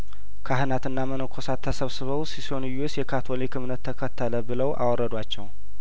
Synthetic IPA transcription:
kʰaɦɨnat̪ɨnːamənəkʰːosat̪ʰːəsəβsɨβəwsisonjusjɛkʰat̪ʰolekʰɨmnət̪ʰːəkʰət̪ʰːələbɨləwʔa̰wɔrːəd̪wat͡ʃːɛw

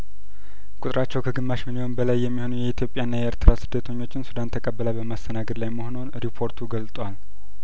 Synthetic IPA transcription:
kʼut̪ʼɾʔat͡ʃːɛwkʰəɡɨmːaʃmɨliho̞nbəlajːɛmːiho̞nujɛit̪ʰjo̞pʼjanːajɛeɾt̪ʰɨɾasɨd̪ːət̪ʰəɲːo̞t͡ʃːɪnsud̪ant̪ʰəkʼəbːələbəmast̪ʰənaɡəd̪lajməhono̞nɾipʰo̞ɾt̪ʰuɡəlt̪ʼwal

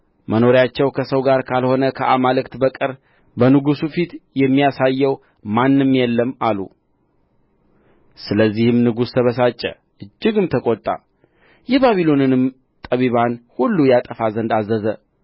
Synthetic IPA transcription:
mʔəno̞ɾjat͡ʃːɛwkʰəsəwɡaɾkʰalho̞nəkʰəʔamalɨkt̪bəkʼɨɾ | bənɨɡusufit̪jɛmːijasajːɛw | manːɨmjɛlːəmalṵ | sɨləzːihɨmnɨɡust̪ʰəβəsat͡ʃʼːɛ̰ | ʔɨd͡ʒːɪɡɨmt̪ʰəkʼot̪ʼːa̰ | jɛbaβilo̞nɨnɨm | t̪ʼəβiβanhulːujat̪ʼəfazənd̪azːəzə

